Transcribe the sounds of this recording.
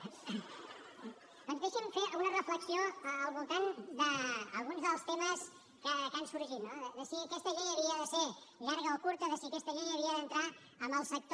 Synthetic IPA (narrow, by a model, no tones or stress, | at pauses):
õnzβɛʃɛɱfeənərəfləksioəːlˠβulˠt̪and̪əːlˠɣunzðəlˠst̪eməs | kəkansuɾʒit̪̚noðəðəsiəkɛst̪əʎenəβiəðəseɾʎaɾɣəokuɾt̪əðəsiəkɛst̪əʎenəβiəðənt̪ɾa | əmbəlˠsək̚t̪